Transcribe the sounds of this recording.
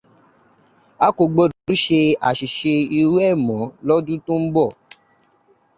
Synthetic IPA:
a˦ko˧˨ɡ͡bo˧˨dɔ˨du˨˦ʃe˧a˨ʃi˨ʃe˧i˧wɛ˦˨mɔ̃˨˦lɔ˦dũ˦tũ˦m̩˦bɔ˦˨

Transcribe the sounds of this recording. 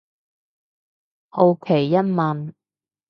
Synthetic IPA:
ho˨˧wkʰe˨˩jːɐ˥t̚mɐ˨n

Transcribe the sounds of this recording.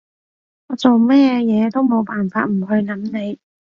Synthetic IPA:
ŋɔː˨˧t͡so˨wmɛː˥jɛː˨˧t̪o˥wmo˨˧wpaː˨nfa̰ː˧t̚m̩˨˩ɦɵ˧ɥlɐ˨˥mne˨˧j

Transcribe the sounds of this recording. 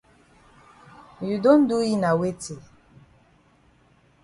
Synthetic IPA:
ju˨do˦n̩˦du˦ji˦na˨we˦te˨

